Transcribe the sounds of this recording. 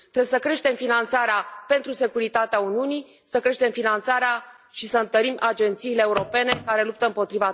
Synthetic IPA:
t̪ɾebesəkɾe̞ʃt̪e̞mfinant̪saɾeape̞nt̪ɾuse̞kuɾit̪at̪eauniunij | səkɾe̞ʃt̪e̞mfinant̪saɾea | ʃisəɨnt̪əɾimʔad͡ʒe̞nt̪siːleːuɾo̞pe̞ne̞kaɾe̞lup̚t̪əɨmpo̞t̪ɾiva

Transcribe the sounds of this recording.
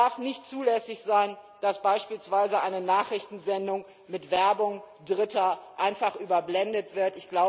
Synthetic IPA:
aɐfnɪçtt͡suːlɛsɪçz̥aɪnd̥asb̥aɪʃpiːlsv̥aɪzəʔaɪnənaːχʁ̥ɪçtn̩zɛndʊŋ | mɪtv̥ɛɐbʊŋ | dʁɪtɐʔaɪnfaχʔyːbɐblɛndətv̥ɪɐtɪçɡ̥laʊ

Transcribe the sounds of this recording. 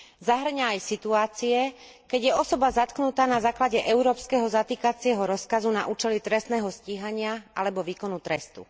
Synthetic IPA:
zaɦr̩ɲaːjsit̪uaːt͡siɛ | kɛɟjɛɔsɔbazat̪knut̪aːnazaːklaɟɛʔɛʊɾɔːpskɛɦɔzat̪iːkat͡sɪɛɦɔɾɔskazuna̰ʔuːt͡ʃɛlit̪ɾɛst̪nɛːɦɔsciːɦaɲɪaʔalɛbɔʋiːkɔnut̪ɾɛst̪ṵ

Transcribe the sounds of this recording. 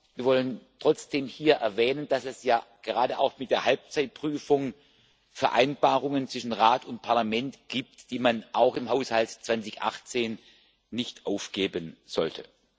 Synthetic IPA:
viːɐvɔləntʁ̥ɔt͡sd̥eːmhiːɐʔɛɐvɛːnənd̥asɛsjaːɡ̥əʁaːdəʔa̰ʊxmɪt̚d̥eːɐhɦalp̚t͡saɪt̚pʁ̥yːfʊŋ | fɛɐʔa̰ɪnb̥aːʁʊŋənt͡sɪʃn̩ʁaːtʰʊnt̚pʰaɐlamɛntɡ̥iːp̚td̥iːmanʔaʊxɪmɦaʊshaltt͡sv̥ant͡sɪçʔa̰χt͡seːnː | ɪçtʔaʊfɡ̥eːbənz̥ɔ̰ltʰə

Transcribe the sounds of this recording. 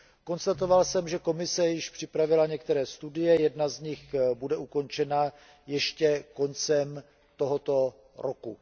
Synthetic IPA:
ko̞nst̪at̪ovalsɛmʒɛko̞mɪsɛjɪʃpr̝̥ɪpɾavɪlaɲɛkt̪ɛɾɛːst̪udɪjɛjɛdnazɲɪxbudɛʔuko̞nt͡ʃɛna | jɛʃcɛko̞nt͡sɛm | t̪o̞ɦo̞t̪o̞ | ɾʔoku

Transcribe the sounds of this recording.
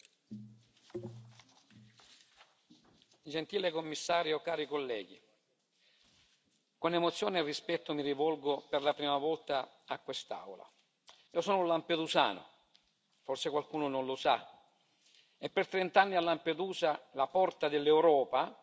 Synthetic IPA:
d͡ʒent̪iːlekomːisːaːɾjokːaːɾikolːɛ̰ːɡ̟i | konemʊt̪sːjɔːnerispɛt̪ːʊmirivɔlɡʊperlapɾiːmavɔlt̪aː | kːwest̪a̰wla̰ | iːosɔːnʊlamped̪usa̰ːnʊ̰ | fɔrsekwalkuːnʊnonlʊsa | ɛpːɪrt̪ɾent̪anːialːamped̪uːzalapɔrt̪ad̪elːɛwɾɔːpa

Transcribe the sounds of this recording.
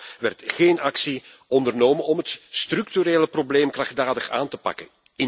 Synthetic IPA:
ʋɛrtxeːnɑksi | ɔndərnoːmənɔmɦətstrʏktyɾeːləprobleːmkrɑxdaːdəxaːntəpɑ̰kə̰n | ɪ

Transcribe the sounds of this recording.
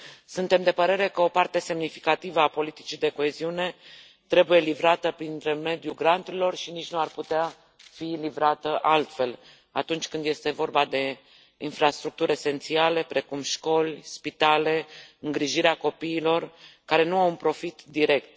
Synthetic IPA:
sunt̪e̞md̪e̞pəɾe̞ɾe̞kəo̞part̪e̞se̞mnifi̥kat̪ivəapo̞lit̪i̥t͡ʃid̪e̞ko̞e̞ziune̞ | t̪ɾe̞buje̞livɾat̪əpɾint̪ɾeme̞d̪juɡɾant̪uɾilo̞rʃinit͡ʃnuarput̪ea | filivɾat̪əʔalt̪fe̞l | a̰t̪unt͡ʃʲkɨnd̪je̞st̪e̞vo̞rbad̪e̞ | infɾast̪ɾuk̚t̪uɾʲese̞nt̪siale̞pɾe̞kumʃko̞lʲspit̪ale̞ɨŋɡɾiʒiɾeako̞piːlo̞rkaɾe̞nuawunpɾo̞fit̪d̪iɾe̞kt̪

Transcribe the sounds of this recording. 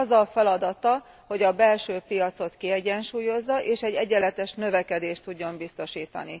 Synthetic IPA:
zːɒfɛlɒd̪ɒt̪ɒ | ho̞ɟɒbɛlʃøːpijɒt̪so̞t̪kiɛɟɛnʃuːjo̞zːɒʔeːʃɛɟːɛɟɛlɛt̪ɛʃnøvɛkɛd̪eːʃt̪uɟːo̞mbist̪o̞ʃiːt̪ɒ̰ni

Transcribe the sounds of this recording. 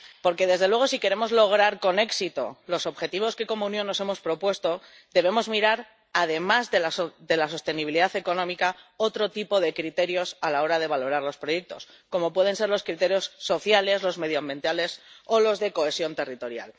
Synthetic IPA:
po̞ɾke̞ðe̞zðe̞lweɣ̞o̞sike̞ɾe̞mo̞zlo̞ɣ̞ɾaɾko̞ne̞ksit̪o̞̰lo̞so̞βxe̞t̪iβo̞ske̞ko̞mounjõ̞nːo̞se̞mo̞spɾo̞pwe̞st̪o̞ | d̪e̞β̞e̞mo̞zmiɾaɾ | að̞e̞mazðeaðe̞laso̞st̪e̞niβiliðaθe̞ko̞nõ̞mikao̞t̪ɾo̞t̪ipo̞ð̞e̞kɾit̪e̞ɾjo̞salao̞ɾað̞e̞βalo̞ɾaɾlo̞spɾo̞jek̚t̪o̞̰s | ko̞mo̞pwe̞ð̞e̞nse̞ɾlo̞skɾit̪e̞ɾjo̞sːo̞θjale̞zlo̞zme̞ðjoambje̞nt̪ale̞so̞lo̞zðe̞ko̞e̞sjo̞nt̪e̞rit̪o̞ɾja̰l

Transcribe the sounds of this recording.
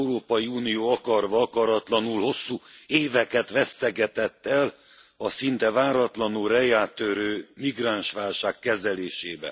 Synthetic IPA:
uɾoːpɒjiuːnijoːɒkɒrvɒɒkɒɾɒt̪lɒnulho̞sːuːeːvɛkɛt̪ʋɛst̪ɛɡɛt̪ɛt̪ːɛl | ɒsint̪ɛvaːɾɒt̪lɒnulrɛjaːt̪ːøɾøːmiɡraːnʃʋaːlʃaːkːɛzɛleːʃeːbɛ̰

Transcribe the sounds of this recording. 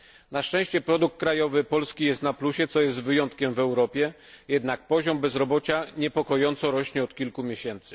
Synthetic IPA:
naʂt͡ʂɛ̃w̃ɕt͡ɕɛpɾɔd̪uk̚t̪̚kɾajɔvɘpɔlskʲijɛst̪napluɕɛt̪sɔjɛst̪vɘjɔnt̪kʲɛmvɛwɾɔpʲjɛ | jɛd̪nak̚pɔʑɔmbɛzɾɔbɔt͡ɕaɲɛpɔkɔjɔnt̪sɔɾɔɕɲɛɔt̪kʲilkumʲjeɕɛnt̪sɘ̥

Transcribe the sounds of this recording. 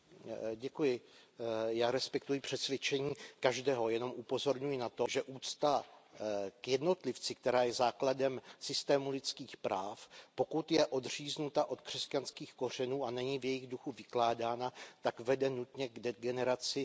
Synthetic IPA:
ɟɛkujɪ | jaːɾɛspɛk̚t̪ujɪpr̝̥ɛt̪svjɛt͡ʃɛɲiːkaʒdɛːɦo̞jɛno̞mʔupo̞zo̞ɾɲujɪnat̪o̞ʒɛʔuːt͡st̪a | kjɛdno̞t̪lɪft͡sɪkt̪ɛɾaːjɛzaːkladɛmsɪst̪ɛːmulɪt͡skiːxpɾaːfpo̞kut̪jɛʔo̞d̪riːznut̪aʔo̞t̪kr̝̥ɛscanskiːxko̞r̝ɛnuːanɛɲivjɛjɪɣduxuvɪklaːdaːnat̪akvɛdɛnut̪ɲɛɡɛɡɛnɛɾat͡sɪ

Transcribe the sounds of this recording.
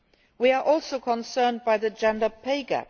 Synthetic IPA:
wiəɹʔɔˑlˠsoʊkʰə̃nsɜːnbaɪðəd͡ʒãndəpʰeɪɡə̰

